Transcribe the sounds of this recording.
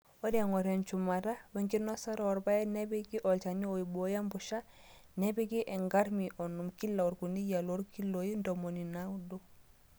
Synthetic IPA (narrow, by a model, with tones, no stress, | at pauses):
o˦dŋo˨ɾɛ˨nt͡ʃu˨ma˨ɾa˦wɛ˦ŋɡi˦no˦sa˦ɾo˦ɔ˨ɾba˦ɛ˦ne˦bi˦ɡi˦ʔɔ˨lt͡ʃa˨ɲi˦o˨i˨bo˦ja˦mbu˨ʃa˦ | ne˦bi˦ɡi˦ʔɛ˨ŋɡa˦ɾmi˨ʔo˨nu˨mki˦lːa˨u˨ɾku˨ni˦ja˨lo˦ɾki˦lo˨ji˦ndo˨mo˨ni˨na˦do˦